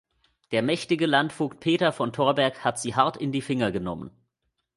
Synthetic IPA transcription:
d̥eːɐmɛçtɪɡəlantfukpʰeːtɐfɔntʰoːɐbɛɐkhatz̥iːɦaɐtɪndiːfɪŋɐɡənɔmə̰n

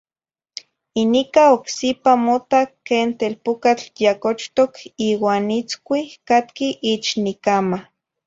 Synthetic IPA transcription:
inikaoksipamot̪akːeːnt̪elpokat͡ɬjakot͡ʃt̪okiːwaːnit͡skʷikat̪kiʔit͡ʃnikama

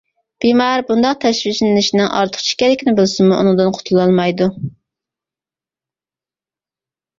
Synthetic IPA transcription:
b̥imɑɾbund̪ɑq̚t̪ʰɛʃviʃnɪŋɪʃinɪŋʔɑ̰ɾt̪ʰə̥χt͡ʃʰi̥kʲɛlɪkʲʰinɪbɪlˠsɪnmuṵnɨŋd̪ɨnqʰʊ̥t̪ʰulˠɑlˠmɑjd̪u

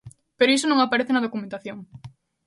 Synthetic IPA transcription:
peɾoisonõŋapaɾeθenɐðokumẽnt̪aθjoŋ

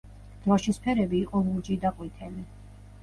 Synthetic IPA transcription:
d̪̥ɾaʃispʰɛɾɛbiːqʼɔmuɾd͡ʒid̪aqʼwit̪ʰɛli

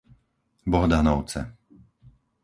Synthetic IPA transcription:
bɔɦɔd̪anɔʊt͡sɛ̰

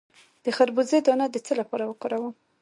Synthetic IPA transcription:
d̪̥əxaɾbuzed̪ɑnad̪ət͡səlapɑɾawəqoɾawəm

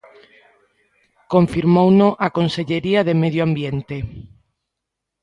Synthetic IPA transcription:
koɱfiɾmownoʔakonseʎeɾiaðemeðjoambjent̪e

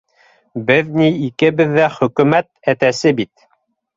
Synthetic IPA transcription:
bɘðniikɘ̆bɘðːæχɵ̆kʉ̆mæt̪æt̪æsɘbit̪̚

